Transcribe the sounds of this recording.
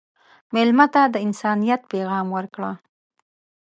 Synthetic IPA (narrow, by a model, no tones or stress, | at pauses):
mɪlmat̪ad̪əɪnsɑnijat̪̚peɣɑmwəɾkɽa